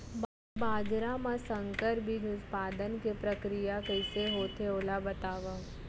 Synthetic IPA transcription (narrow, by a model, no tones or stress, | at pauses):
b | baːd͡ʒɾamãsə̃ŋkəɾbʱiɦʊt̪paːd̪ənkepɾəkɾijakəɪseɦoːt̪ʰeoːlabɐt̪aːʋa